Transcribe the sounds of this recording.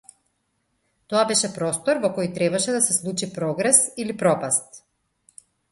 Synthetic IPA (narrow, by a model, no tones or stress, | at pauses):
t̪ɔabɛʃɛpɾɔst̪ɔɾvɔkɔjt̪ɾɛbaʃɛd̪asɛslˠut͡ʃipɾɔɡɾɛsilipɾɔpast̪